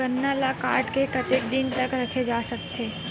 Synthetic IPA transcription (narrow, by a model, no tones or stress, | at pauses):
ɐnːalakaːɾʈkekɐt̪ekd̪ɪnt̪ɐkɾɐkʰed͡ʒaːsɐk̚t̪ʰeː